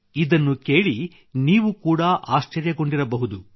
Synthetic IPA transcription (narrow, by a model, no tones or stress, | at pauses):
id̪ɐnːuke̞ːɭi | niːʋukuːɽɐʔaːʃt͡ʃɐɾjɐɡo̞ɳɖiɾɐbɐɦud̪u